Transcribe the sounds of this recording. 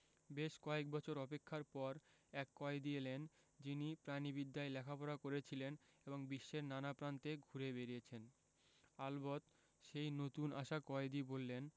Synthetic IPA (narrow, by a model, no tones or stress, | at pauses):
beʃkɔek̚bɔt͡ɕʰoɾɔpekʰːaɾpɔɾɛkːɔed̪ielend͡ʑinipɾanibid̪ːaelɛkʰapɔɾakoɾet͡ɕʰileneboŋbiʃːeɾnanapɾant̪eɡʱuɾebeɾiet͡ɕʰen | albot̪ | ʃejnot̪unʔaʃakɔed̪ibolːen